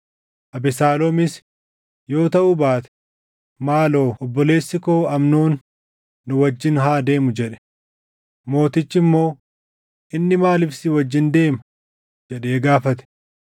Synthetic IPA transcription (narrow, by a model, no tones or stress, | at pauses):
ʔɐbɪsaːlɔmɪs | jo̞ːt̪ɐʔʊbaːt̪ɛ̥ | maːloːʔɔbːɔle̞ːsːɪkoːɐmnoːnː | ʊwɐd͡ʒːɪnɦaːd̪e̞ːmʊd͡ʒɛᶑɛ̥ | mo̞ːt̪ɪt͡ʃːɪmːo̞ː | ʔɪnːɪmaːlɪfsɪwɐd͡ʒːɪnd̪e̞ːmɐ | d͡ʒɛᶑe̞ːɡaːfɐt̪ɛ̥